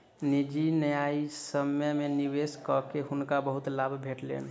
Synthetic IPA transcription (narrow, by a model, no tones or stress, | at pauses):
nid͡ʒinəjaisəmjəmeniweskɔkeɦunkabəɦut̪labʱbʱeʈlḛn